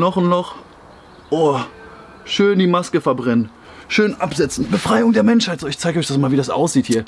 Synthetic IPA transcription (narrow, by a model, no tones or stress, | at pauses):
nɔχn̩nɔχ | ʔoː | ʃøːndiːmaskəfɛɐbʁɛnən | ʃøːnʔapz̥ɛt͡sn̩bəfʁ̥aɪʊŋdeːɐmɛnʃhaɪtz̥oːɪçt͡saɪɡəɔçd̥asmaːlviːdasʔa̰ʊsz̥iːthiːɐ